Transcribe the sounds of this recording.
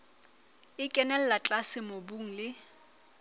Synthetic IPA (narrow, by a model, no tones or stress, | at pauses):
ɪkʼɛnɛl̩lat͡ɬʼasɪmobuŋ̩lɪ